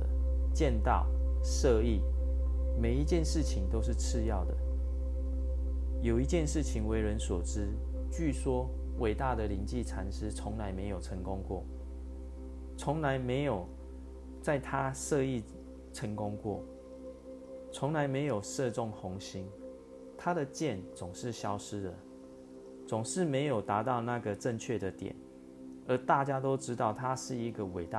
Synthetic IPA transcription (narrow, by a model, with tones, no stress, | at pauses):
ə˨ | t͡ɕjɛ˥˧nt̪ɑ̰˥˩ʊ | ʂɤ˥˧i˥˩ | me˨˩ɪi˧˥t͡ɕjɛ˥˨˧nʂɻ̩˥˩t͡ɕʰi˩˦ŋt̪o˥ʊʂ̬ɻ̩˥˨t͡s̩ʰ˥˧jɑ˥˨ʊd̪ə̰˩ | jo˨˩ʊi˧˥t͡ɕjɛ˥˧nʂɻ̩˥˩t͡ɕʰi˨˦ŋwe˧˥ɪɻə˧˦nswɔ˨˩ʈ͡ʂɻ̩˥˦t͡ɕy˥˨swɔ˥wʔe˨˩ɪt̪a˥˩d̪ə˨li˧˥nt͡ɕi˥˨ʈ͡ʂʰa˨˩nʂɻ̩˥t͡sʰʊ˧˦ŋla˧˦ɪme˧˥ɪjo˨˩ʊʈ͡ʂʰə˧˥ŋkʊ˦ŋkwɔ̰˥˩ | t͡sʰʊ˧˥ŋla˧˦ɪme˧˥ɪjo˨˩ʊ | t͡sa˥˩ɪt̪ʰa˦ʂɤ˥˧i˥˩ | ʈ͡ʂʰə˧˥ŋkʊ˦˥ŋkwɔ̰˥˩ | t͡sʰʊ˧˦˥ŋla˧˦ɪme˧˥ɪjo˨˩ʊʂɤ˥˧ʈ͡ʂʊ˥˩ŋxʊ˧˥ŋɕi˧˥ŋ | t̪ʰa˥d̪ə˨t͡ɕjɛ˥˨nt͡sʊ˨˩ŋʂɻ̩˥˩ɕjɑ˥ʊʂɻ̩˥d̪ə˨ | t͡sʊ˨˩ŋʂɻ̩˥˩me˧˥ɪjo˨˩ʊt̪a˧˥t̪ɑ˥˧ʊna˥˩ɡə˩ʈ͡ʂə˥˧ŋt͡ɕʰɥɛ˥˩d̪ə˩t̪jɛ̰˨˩˦n | ə˨˧˥t̪a˥˨t͡ɕja˥t̪o˥ʊʈ͡ʂɻ̩˥t̪ɑ˥˩ʊt̪ʰa˦ʂɻ̩˥˩i˧˥ɡə˨we˨˩ɪt̪a˥˨